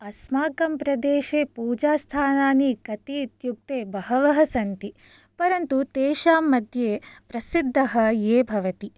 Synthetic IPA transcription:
ɐsmaːkɐmpɾɐd̪eːʃeːpuːd͡ʒaːst̪ʰaːnaːnikɐt̪it̪juk̚t̪eːbɐɦɐʋɐɦɐsɐnt̪i | pɐɾɐnt̪ut̪eːʃaːmːɐd̪ʱjeːpɾɐsid̪ʱːɐɦɐjeːbʱɐʋɐt̪i

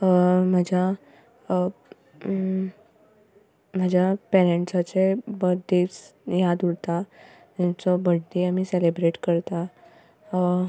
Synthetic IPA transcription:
məd͡ʑʱja | m̤əd͡ʑʱjapɛɾeɳʈsat͡sebəɾd̪et͡sjad̪uɽt̪a | at͡sɔbəɽd̪iamiːselebɾeʈkəɾt̪a

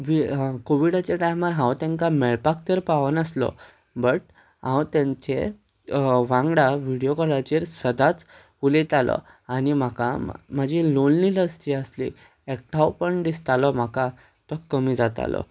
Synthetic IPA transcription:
ʋikoʋiɽat͡ɕeʈajmaɾɦãwt̪ɛ̃ŋkamɛɭpak̚t̪əɾpaʋənəslɔ̰ | bəʈ̚ | ɦãwt̪ãɲt͡ɕe | ʋãŋɡɽaʋiɽijokɔlat͡ɕeɾsəd̪at͡s | ulet̪alɔ̰ | añim̤akam̤əd͡ʑʱilonːiləst̪iəslḭ | ek̚ʈʰawpəɳd̪ist̪alɔm̤aka | t̪ɔkːəmid͡zat̪a̰lɔ̰

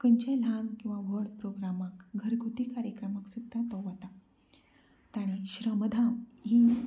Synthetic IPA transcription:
kəɲt͡ɕelankĩw̃ʋaʋəɽpɾoɡɾamakɡʱəɾɡʱut̪iːkaɾjəkɾəmaksud̪ʱːat̪əʋat̪a | t̪aɽ̃eɕɾəməd̪ʱamɦi

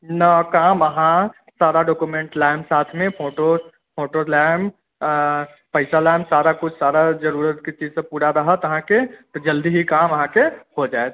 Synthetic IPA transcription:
nəkaməɦã | saːɾaɖokumẽɳʈlaɪmsaːt̪ʰmẽpʰoːʈo | pʰoːʈolam | pəɪsalaɪmsaːɾakʊt͡ʃʰsaɾad͡ʒəɾuɾət̪ket͡ʃid͡ʒsẽpuːɽaɾəɦət̪əɦãket̪ɔd͡ʒəld̪iɦikaməɦãkehod͡ʒaet̪

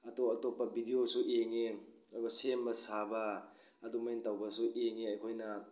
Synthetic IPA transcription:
ɐtoɐtopːɐbʱidiosuʔeŋe | ojbɐsembɐsabɐː | dumajintawbɐsuʔeŋeɐjkʰojnɐ

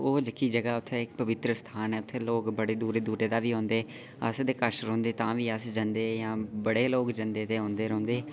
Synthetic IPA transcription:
oːd͡ʒəkːiːd͡ʒəɡaːʊt̪ʰːeːɪkpəʋɪt̪ɾəst̪ʰaːnɛːʊt̪ʰːeːloːkbəɽeːd̪uːɾeːd̪uːɾeːd̪aːʋiːɦõːnd̪eː | ə̰sd̪eːkəɾʃɾõːnd̪eːt̪ãːʋiːəsd͡ʒãːnd̪eːjãːbəɽeːloːkd͡ʒə̃nd̪eːd̪eːɦõːnd̪eːɾõːnd̪eː

